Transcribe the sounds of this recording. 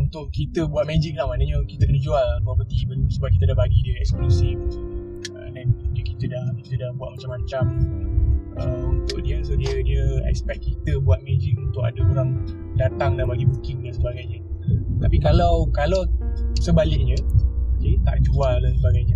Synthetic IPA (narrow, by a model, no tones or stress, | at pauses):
unt̪ʊʔkit̪əbuat̪̚mɛd͡ʒɪk̚lahmanəɲəkit̪əkənəd͡ʒualduapərt̪ibəsəbap̚kit̪ədahbaɡidiəɛ̰ksklusif | ə̰dandiəkit̪ədahkit̪ədahbuatʔ̪̚mat͡ʃamat͡ʃam | əunt̪ʊʔdiəsədiədiəɛ̰kspɛk̚kit̪əbuat̪̚mɛd͡ʒɪk̚unt̪ʊʔka̰dəoɾaŋ | dat̪aŋdanbaɡibukɪŋdansəbaɡajɲət̪apikalawkalawsəbalɪʔ̚ɲə̃oket̪a̰ʔd͡ʒualːasəbaɡajɲə